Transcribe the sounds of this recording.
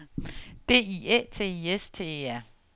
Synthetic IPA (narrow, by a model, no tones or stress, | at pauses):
d̥e̝̰ːiḛːt͡sʰe̝̰ːiest͡sʰe̝̰eæɐ̰